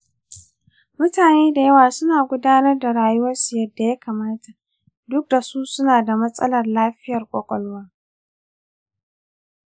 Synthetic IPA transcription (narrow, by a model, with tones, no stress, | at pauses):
mʊ˦taː˨neː˦da˨jɐ˦waː˨sʊ˦naː˨ɡʷʊ˦daː˦nɐ˦rda˨ɽaː˨jʊ˦wɐ˦rsu˨jɐ˦dːa˨ja˦kaː˨maː˦ta˨ | dʊ˦k̚da˨su˦sʊ˦naː˨da˨mɐ˦sʼɐ̰˦lɐ˨rlaː˦ɸɪ˦jɐ˨rkʷʼɔ˨kʷʼɔ˦lwaː˦